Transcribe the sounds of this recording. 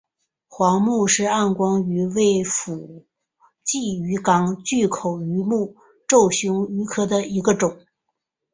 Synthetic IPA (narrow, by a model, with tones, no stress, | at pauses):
xwɑ˧˥ŋmu˥˧ʂɻ̩˥˧a˥˩nkwɑ˥ŋy˧˥we˥˩ɪfu˨˩ | t͡ɕi˥˩y˧˥kɑ˨˥˩ŋt͡ɕy˥˩kʰo˨˩ʊy˧˥mu˥˧ | ʈ͡ʂo˥˩ʊɕʊ˧˥ŋy˧˥kʰɤ˥d̪ə˨i˧˥ɡə˧ʈ͡ʂʊ˨˩˦ŋ